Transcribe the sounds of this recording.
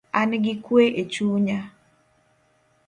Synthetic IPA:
anɡɪkweʔet͡ʃuɲa

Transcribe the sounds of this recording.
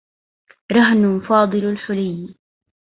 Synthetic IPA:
ɾˤɑɦnʊnfɑːd̪ˤɨlalħʊlajn

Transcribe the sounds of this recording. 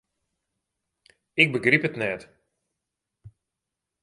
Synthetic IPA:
ɪk̚bəɡripətnɛt

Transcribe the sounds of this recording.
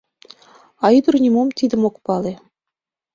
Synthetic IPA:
ɑid̪urnʲimomt̪ʲid̪ɘ̆mokpɑle

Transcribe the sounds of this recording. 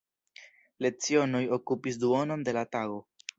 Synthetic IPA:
le̞t͡sio̞no̞jo̞kupis̬duono̞nde̞lataɡo̞

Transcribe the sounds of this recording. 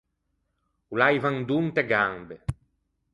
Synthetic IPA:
ulajvaŋd̪unt̪ɛɡambe

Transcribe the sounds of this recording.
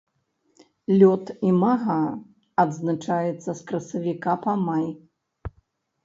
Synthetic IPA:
lʲɔt̪imaɣaː | d̪znat͡ʂajɛt̪sːɐskɾɐsɐvʲikapamaj

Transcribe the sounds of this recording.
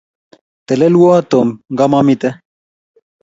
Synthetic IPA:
t̪elelwat̪omŋɡamamit̪e

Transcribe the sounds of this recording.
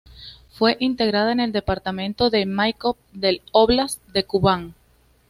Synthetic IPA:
fwe̞ʔint̪e̞ɣɾað̞aene̞ld̪e̞paɾt̪amẽ̞nt̪o̞ðe̞majkop̚d̪e̞loβlasd̪e̞kuβaŋ

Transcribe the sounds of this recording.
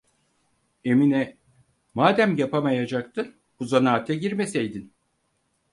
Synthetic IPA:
e̞minɛ | maːd̪æmjapʰamajad͡ʒakt̪ʰɯ | b̥uzanaːt̪ʰɛɟiɾmesejd̪in

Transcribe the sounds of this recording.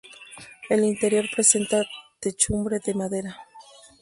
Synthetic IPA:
elint̪e̞ɾjo̞ɾpɾe̞se̞nt̪at̪et͡ʃumbɾeðemaðe̞ɾa

